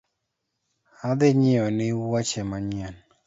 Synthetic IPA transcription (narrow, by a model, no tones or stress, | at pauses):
ad̪ɪɲɪɔnɪwat͡ʃɛmaɲan